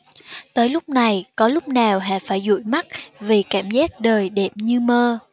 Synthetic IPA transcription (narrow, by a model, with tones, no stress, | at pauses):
t̪əː˨˦jlʊ˦˥k͡p̚na˨˩jkɔ˨˦lʊ˦˥k͡p̚naː˨˩wɦa̰ː˧˨faː˧˩jzṵ˧˨jma˦˥t̚vi˨˩kaː˧˩mzaː˦˥t̚ɗəː˨˩jɗe˧˩p̚ɲɨ˧məː˧